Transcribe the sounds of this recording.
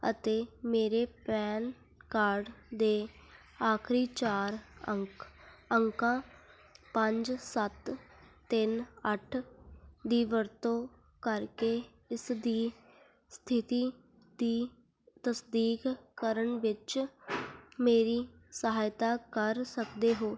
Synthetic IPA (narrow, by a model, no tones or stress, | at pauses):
ə̰t̪eːmeːɾeːpɛːn | kaːɾɖd̪eː | aːkʰɾiːt͡ʃaːɾəkəŋkãː | pəɲd͡ʒsət̪ː | ɪnəʈʰd̪iːʋəɾt̪õː | kəɾkeː | ɪsd̪iː | st̪ʰɪt̪iː | d̪iː | t̪əsd̪iːkkəɾəɳʋɪt͡ʃ | meːɾiːsəɦaːɪt̪aːkəɾsəkd̪eːɦoː